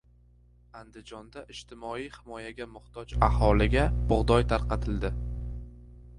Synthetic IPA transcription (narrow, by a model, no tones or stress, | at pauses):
and̪ɪd͡ʒɒnd̪aʔɪʃt̪ʰɪmɒijhɪmɒjaɡʲamʊht̪ɒd͡ʒahɒlɪɡʲabʊʁd̪ɒjt̪ʰaɾqɑt̪ʰɪld̪ɪ